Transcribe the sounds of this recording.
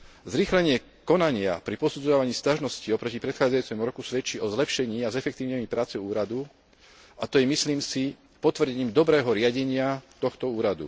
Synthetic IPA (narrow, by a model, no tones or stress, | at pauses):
zɾiːxlɛɲɪɛ | kɔnaɲɪa̰pɾipɔsud͡zɔaʋaɲiːscaʒnɔsciɔpɾɔcipɾɛt̪xaːd͡zajut͡sɛmuɾɔkusʋɛt͡ʃiɔzlɛpʃɛɲiːazɛfɛk̚t̪iːʋɲɛmipɾaːt͡sɛuːɾad̪u | at̪ɔjɛmisliːmsi | pɔt̪ʋrɟɛɲiːmd̪ɔbɾɛːɦɔɾɪaɟɛɲɪat̪ɔxt̪ɔuːɾad̪ṵ